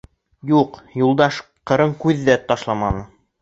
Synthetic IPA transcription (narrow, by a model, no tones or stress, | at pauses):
juqjulˠd̪ɑʃ | qɤ̆ɾɤɴkʉðːæt̪ɑʃlˠɑmɑnɤ